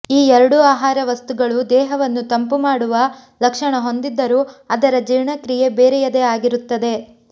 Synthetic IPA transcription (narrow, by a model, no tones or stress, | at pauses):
iːɛɾɐɽuaːɦaːɾɐʋɐst̪uɡɐɭud̪ɛːɦɐʋɐnːut̪ɐmpumaːɽuʋɐ | lɐkʂɐɳɐɦo̞nd̪id̪ːɐɾuːɐd̪ɐɾɐd͡ʒiɾɳɐkɾije̞beːɾɛjɐd̪eaːɡiɾut̪ːɐd̪e̞